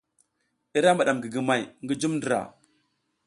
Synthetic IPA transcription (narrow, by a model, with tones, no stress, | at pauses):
i˦ɾa˦mba˨ɗa˨mɡi˨ɡi˨ma˨jŋɡi˦d͡ʒu˦mndi˨ɾa̰˨